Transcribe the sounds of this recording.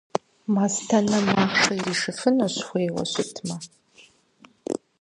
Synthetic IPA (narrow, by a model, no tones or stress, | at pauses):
maːstʰɐnɐmaːχʂɐjiʂɨfɨnɐɕχʷeːwɐ̰ɕʷʊtʰmɐ